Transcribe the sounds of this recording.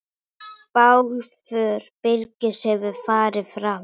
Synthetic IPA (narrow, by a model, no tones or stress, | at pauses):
pawlfœːɾ̥pɪlcɪshɛvʏfaːɾɪfɾa